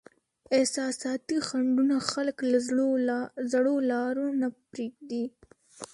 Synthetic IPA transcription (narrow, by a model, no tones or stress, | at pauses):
ɪhsɑsɑt̪ixaɳɖunaxalkla | zɽolɑɾonapɾeɡd̪i